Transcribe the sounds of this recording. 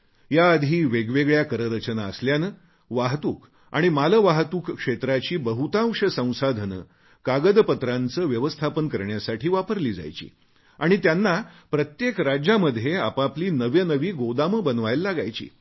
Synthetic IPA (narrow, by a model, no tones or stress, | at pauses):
jaəd̪ʱiːʋeɡʋeɡɭjakəɾəɾət͡ɕənaəsljanə | ʋaɦt̪uːk | a̰ɽ̃imaləʋaɦt̪uːkːʂet̪ɾat͡ɕiːbəɦut̪ãwʂəsə̃w̃sad̪ʱənə̰ | kaɡəd̪pət̪ɾant͡səːʋjəʋəst̪ʰapənkəɾɳjasaʈʰiːʋapəɾliːd͡za̰jt͡ɕḭː | aɽ̃it̪janːapɾət̪jekɾad͡ʑaməd̪ʱjeapapliːnəʋjənəʋiːɡod̪aməbənʋajlːaɡajt͡ɕḭː